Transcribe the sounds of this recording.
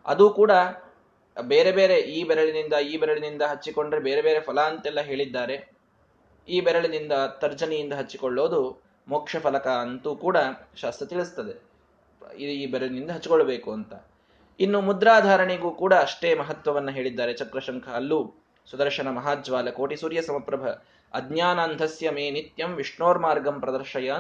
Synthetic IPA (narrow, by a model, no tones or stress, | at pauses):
ɐ̰d̪uːkuːɽɐ | beːɾe̞be̞ːɾe̞ʔiːbɛɾɐɭinind̪ɐiːbɛɾɐɭinind̪ɐɦɐt͡ʃːiko̞ɳɖɾebe̞ːɾebe̞ːɾe̞pʰɐlaːnt̪ɛlːɐɦe̞ːɭid̪ːaːɾe̞ | iːbɛɾɐɭinind̪ɐt̪ɐɾd͡ʒɐnɛjind̪ɐɦɐt͡ʃːikoɭːo̞ːd̪u | moːkʂɐpʰɐlɐkɐɐnt̪uːkuːɽɐʃaːst̪ɾɐt̪iɭust̪ɐd̪e̞ | id̪uiːbɛɾɐɭinind̪ɐɦɐt͡ʃːikoɭɐbeːkuɐnt̪ɐ | inːumud̪ɾaːd̪ʱaːɾɐɳiɡuːkuːɽɐːʂʈeːmɐɦɐt̪ʋɐʋɐnːɐɦe̞ːɭid̪ːaːɾe̞t͡ʃɐkɾɐʃɐŋkʰɐːlːu | sud̪ɐɾʃɐɳɐmɐɦaːd͡ʒʋaːlɐkoːʈisuːɾjɐsɐmɐpɾɐbʱɐ | ɐd̪ʱnjaːnaːnd̪ʱɐsjɐmeːnit̪jɐmʋiʂɳoːɾmaːɾɡɐmpɾɐd̪ɐɾʃɐjaː